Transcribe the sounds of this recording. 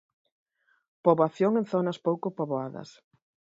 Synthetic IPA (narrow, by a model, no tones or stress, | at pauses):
poβoaθjoŋenθonɐspowkʊpoβoaðɐ̰s